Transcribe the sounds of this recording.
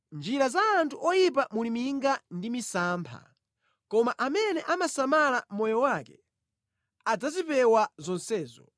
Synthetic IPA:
nd͡ʒiɾazaːntʰuʔɔjip̬amulimiŋɡandimisaːmpʰa̰ | kɔmaʔamɛnɛʔamasamalamɔjɔwakɛ | ad͡zazipɛwazɔnsɛːzɔ

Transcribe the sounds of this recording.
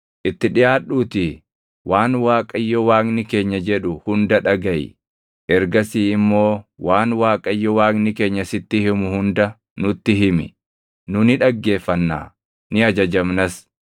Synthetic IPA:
ʔɪt̪ːɪᶑɪjaːɗːuːt̪ɪ | waːnwaːkʼɐjːɔwaːknɪke̞ːɲːɐd͡ʒɛᶑʊhʊnd̪ɐᶑɐɡɐjɪ̰ | ʔɛɾɡɐsiːɪmːo̞ːwaːnwaːkʼɐjːɔwaːknɪke̞ːɲːɐsɪt̪ːɪhɪmʊhʊnd̪ɐ | nʊt̪ːɪɦɪmɪ̰ | nʊnɪᶑɐɡːe̞ːfːɐnːa̰ː | nɪɐd͡ʒɐd͡ʒɐmnɐs

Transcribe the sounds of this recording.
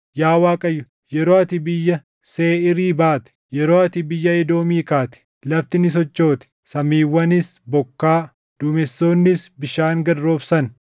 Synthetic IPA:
jaːwaːkʼɐjːʊ | jɛɾoːɐt̪ɪbɪjːɐ | seːɪɾiːbaːt̪ɪ̥jɛɾo̞ːɐt̪ɪbɪjːɐɪd̪o̞ːmiːkaːt̪ɪ̥ | lɐft̪ɪnɪs̬ɔt͡ʃːo̞ːt̪ɪ̥sɐmiːwːɐnɪsbɔkːaː | d̪̥ʊmɛsːo̞ːnːɪsbɪʃaːŋɡɐdɾoːbsɐn

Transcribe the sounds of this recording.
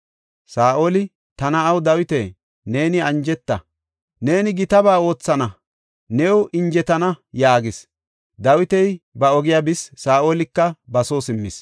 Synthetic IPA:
saːʔoːlɪ | t̪ɐnɐːwd̪ɐwɪt̪eː | ne̞ːnɪɐnd͡ʒɛt̪ːɐ̰ | ne̞ːnɪɡɪt̪ɐbaːo̞ːt͡sːɐnɐ | nɛwʊʔɪnd͡ʒɛt̪ɐnɐjaːɡɪs | d̪ɐwɪt̪ɛjbɐɔɡɪjabɪsːaːʔoːlɪkːɐbɐsoːsɪmːɪs

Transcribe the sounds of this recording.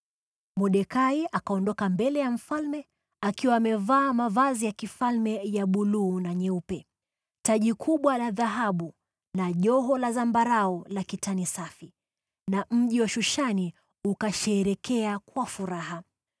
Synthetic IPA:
muɗɛkaiakaɔndɔkambɛlɛjam̩falmɛ | akiwaːmɛvaːmavazijakifalmɛjaɓuluːnaɲɛupɛ | taʄikʰuɓwalaðaɦaɓu | naʄɔɦɔlazambaɾaɔlakitanisafi | nam̩ʄiwaʃuʃani | ukaʃɛːɾɛkʰɛakwafuɾaɦa

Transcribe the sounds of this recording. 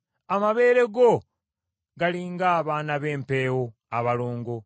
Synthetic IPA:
amaβe̞ːɾe̞ɡo | ɡaliːŋɡaːβaːnaβe̞ːmpe̞ːwo | aβaloːŋɡo̞

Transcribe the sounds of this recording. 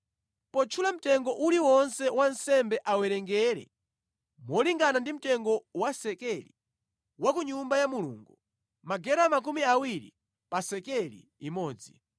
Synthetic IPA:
pɔt͡ʃʰulam̩tɛŋɡɔʔuliwɔnsɛwansɛmbɛʔawɛɾɛŋɡɛɾɛ̰ | mwɔliŋɡanandim̩tɛŋɡɔwasɛkɛlḭ | wakuɲumbajamulṵŋɡu | maɡɛɾamak̬umiawiɾḭ | pasɛkɛlḭːmɔːd͡zi

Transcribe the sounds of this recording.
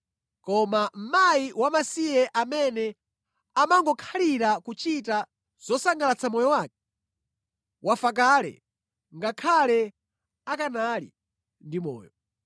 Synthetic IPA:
kɔmam̩maiwamasijɛʔamɛnɛ | amaŋɡɔkʰaliɾakut͡ʃita | z̥ɔsaŋɡalat͡sʰamɔjɔwaːk̚ɛ̥ | wʔafak̬aːlɛ̰ | ŋɡakʰalɛ | akanalḭ | ndimɔ̰ːjɔ

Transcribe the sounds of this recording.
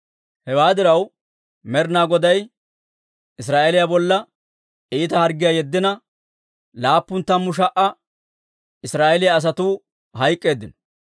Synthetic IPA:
hɛwaːd̪ɪɾɐw | mɛɾnaːɡɔd̪ɐj | ɪs̬ɾaːʔɛlɪjabɔlːɐ | ʔiːt̪ɐhɐɾɡɪjaːjɛd̪ːɪnɐ | laːpːʊnt̪ːɐmːʊʃ̬ɐʔɐ | ɪsɾaːʔɛlɪjɐːs̬ɐt̪uː | hɐjkʼːe̞ːd̪ːɪnɔ

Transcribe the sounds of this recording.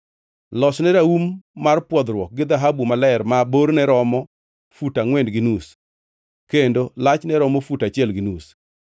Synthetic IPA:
lɔsnɛɾaumːarpwɔd̪ɾwɔk̚ɡɪd̪aɦabumalɛɾmaboɾnɛɾɔmɔ | futaŋwɛndɡɪnus | kendolat͡ʃnɛɾɔmɔfutat͡ʃɪɛlɡɪnus

